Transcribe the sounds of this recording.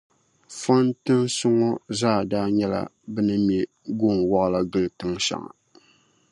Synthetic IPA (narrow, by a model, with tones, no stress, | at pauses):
fa˦ntɨ˦nsʊ˦ŋɔ˦zaː˦˨daː˦ɲɛ˦la̰˨ | bɨ˦nɨ˦mjɛ˦ | ɡo˦˨ŋwɔ˦ʔla˦ɡɨ˦ltɨ˦ŋʃa̰˨ŋa̰˨